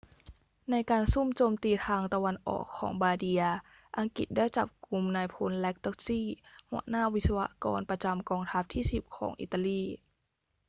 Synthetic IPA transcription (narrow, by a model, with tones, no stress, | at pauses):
na˧jkaː˧nsu˥˩mt͡ɕoː˧mt̪iː˧t̪ʰaː˧ŋt̪a˧wa˧nʔɔ̰ː˨˩kʰːɔ̰ː˩˦ŋbaː˧di˧ɐ | ʔa˧ŋkḭ˨˩t̪̚daː˥˩jt͡ɕa̰˨˩p̚ku˧mnaː˧jpʰo˧nlɛ˦˥k̚t̪ɔ˦˥k̚siː˥˩hu˧˩ənaː˥˩wi˦˥t̪̚sa˧wa̰˦˧˥kɔ̰ː˧npɾa˧t͡ɕa˧mkɔː˧ŋt̪ʰa˦˥p̚t̪ʰiː˥˩si˨˩p̚kʰɔː˩˦ŋʔḭ˨˩t̪ːa˧liː˥˩